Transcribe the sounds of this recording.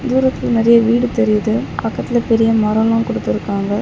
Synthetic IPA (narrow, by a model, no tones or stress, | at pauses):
d̪uːɾɐt̪ːɪlnɪɾɐjɐʋiːɽɯt̪ɛɾɪjðɯpɐkːɐt̪ːɪlɐpɛɾɪjɐmɐɾɐlãːnkɔɽɯt̪ːɪɾɯkːaːŋɡɐ